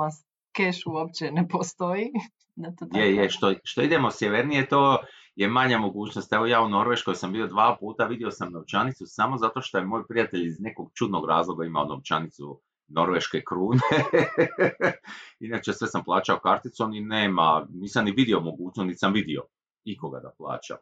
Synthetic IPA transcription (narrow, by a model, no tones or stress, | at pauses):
as | keʃuopt͡ɕenepost̪oi | d̪at̪oɡ̪jejeʃt̪oʃt̪o̞id̪e̞mosjeʋeɾnijet̪oː | jemaɲamo̞ɡuːt͡ɕno̞st̪eʋojaːuno̞ɾʋe̞ʃkojsambio̞d̪ʋaːpuːt̪aʋid̪io̞samnoʋt͡ʃanit̪susamo̞zat̪o̞ʃt̪o̞je̞moːjpɾijat̪e̞ʎizne̞ko̞ɡt͡ʃud̪no̞ɡɾa̰ːzlˠo̞ɡaimaono̰ʋt͡ʃa̰nit̪sṵ | no̞ɾʋe̞ʃkekɾuːne | inat͡ʃe̞sʋe̞samplˠaːt͡ʃaokaɾt̪it̪sonineːmaniːsamniʋid̪io̞mo̞ɡuːt͡ʃnost̪nit̪samʋid̪io̞̰ | iko̞ɡa̰d̪a̰plˠa̰ːt͡ʃa̰